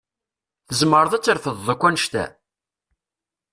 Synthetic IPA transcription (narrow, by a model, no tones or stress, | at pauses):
θəzməɾəðˤæt͡sːəɾfəðːˤəkʷːænəʃt̪æ̰